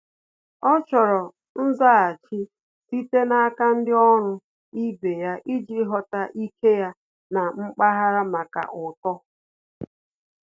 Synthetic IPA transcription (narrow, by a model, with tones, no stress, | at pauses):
ɔ˦t͡ʃɔ˨ɾɔ˨ | n̩˦za˦a˨t͡ʃi˦ | si˦te˦na˦a˦ka˦n̩˦dɪ˦ɔ˦ɾʊ˦ | i˦be˨ja˦ʔi˦d͡ʒi˦ɦɔ˦ta˦ʔi˦kʰe˦ja˦ | na˨ŋ͡m̩˦k͡pa˦ɦa˦ɾa˦ma˨ka̰˨ʔʊ˨tɔ˦